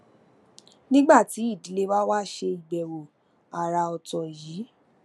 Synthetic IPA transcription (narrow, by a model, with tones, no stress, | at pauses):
nĩ˦ɡ͡ba˦˨ti˨˦i˦˨di˨˦le˦wa˦wa˦ʃe˧i˨ɡ͡bɛ˨wo˨ | a˨ɾa˧ɔ˨tɔ̃˨jiː˨˦